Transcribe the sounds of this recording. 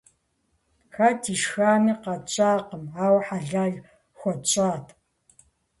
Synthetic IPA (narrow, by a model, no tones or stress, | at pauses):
xaːtʰiʃxaːniːqɐt͡ʃʼaːqəmaːwħaɮaːɮ | xʷɔt͡ʃʼaːtʰ